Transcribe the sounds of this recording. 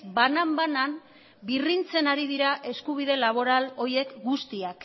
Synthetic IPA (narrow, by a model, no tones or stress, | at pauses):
banambanan | birint͡se̞naɾiðiɾaʔe̞skuβið̞e̞laβ̞o̞ɾalo̞je̞kɡust̪iak